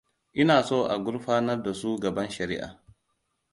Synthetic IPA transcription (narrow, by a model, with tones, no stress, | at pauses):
ʔɪ˦naː˨soː˦ʔa˨ɡʷʊ˦ɽɸaː˦nɐ˦rda˨su˦ɡɐ˨bɐ˦nʃɐ˨ɾi˦ʔa̰ː˨